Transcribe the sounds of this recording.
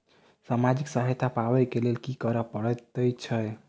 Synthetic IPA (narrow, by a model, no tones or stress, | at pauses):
samad͡ʒiksaɦəjt̪ʰapawɛkelelkikəɾəpəɽɛt̪əjt͡ʃʰəj